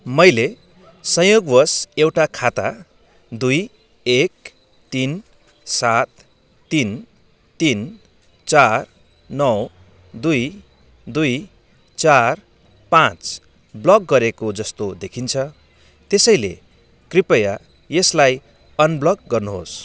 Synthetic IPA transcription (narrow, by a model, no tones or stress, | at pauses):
mʌjle | sʌ̃joɡwʌsewʈakʰat̪a̰ | d̪uj | ek̚ | t̪in | sat̪ː | in | t̪in | t͡sar | nʌw | d̪uj | d̪uj | t͡sar | pãt͡s | blʌkɡʌɾekod͡zʌst̪od̪ekʰint͡sʰʌ | t̪esʌj̃lḛ | kripʌja | jeslaj | ʌnblʌɡɡʌrnuɦo̰s